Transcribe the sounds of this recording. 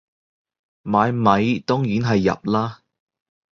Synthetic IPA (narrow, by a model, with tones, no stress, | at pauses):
maː˨˧jmɐ˨˧jt̪ɔ˥ŋjiː˨˥nɦɐ˨jːɐ̰˨p̚laː˥